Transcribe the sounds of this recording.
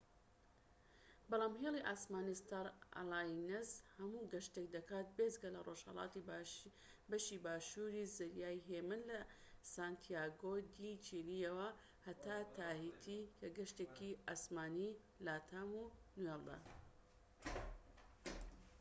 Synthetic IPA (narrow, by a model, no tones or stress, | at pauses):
bɑlˠaːmɦeliʔaːsmaːnist̪aɾa̰laːnezhɐmuːɡɐʃt̪ek̚d̪ɐkaːt̪̚bezɡɐlɐroʒhɐ̰lˠɑ̰ːt̪i | bɐʃibaːʃuɾizɨɾjaːjɦeːmɨnlɐsant̪ʰijaːɡod̪it͡ʃilijɛwɐ | hɐt̪ʰaːt̪ʰaːhit̪ʰikʰɐɡɐʃt̪ekiʔaːsmaːni | laːt̪ʰaːmunuwelˠd̪a̰